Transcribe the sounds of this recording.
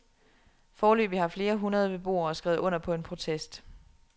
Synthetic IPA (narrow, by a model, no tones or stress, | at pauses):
fɒːlø̰ːb̥ihɑ̈fle̝ːɐɦunʁɐð̞ˠəb̥e̝b̥o̝̰ːɐɒsɡ̥ɛ̰ːʊð̩ˠɔ̽n̰ɐpʰɒ̽e̝npʰʁo̝t͡sʰesd̥